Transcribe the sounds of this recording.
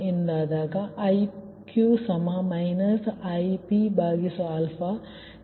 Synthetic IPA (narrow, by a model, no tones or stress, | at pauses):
ind̪aːd̪aːkaʔj | kjuːsɐmamainɐsajpibʱaːɡisoɐlfa